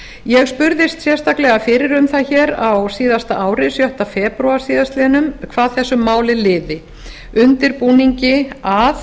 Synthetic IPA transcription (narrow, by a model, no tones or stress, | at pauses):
jɛɣspʏɾðɪst̪sjɛ̥st̪aklɛɣafɪɾɪɾʏmθaçɛːɾawsiːðast̪aʔaːwɾɪsjœht̪afɛːpɾɔasiːðast̪lɪnʏmkʰvaːðθɛsːʏmːaːwlɪlɪːðɪ | ʏnt̪ɪɾpuːniɲcɪaθ